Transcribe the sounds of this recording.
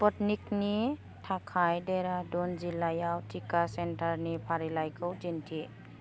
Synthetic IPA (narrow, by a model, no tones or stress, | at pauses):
pɔt̚nik̚ni | tʰakʰajdeɾadɔnzilajawtʰikasentaɾnipʰaɾilajkʰəwd͡ʒintʰi